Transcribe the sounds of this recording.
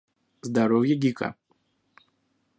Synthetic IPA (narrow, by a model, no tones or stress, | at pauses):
zd̪aɾɔwjɐɡʲikɐ̰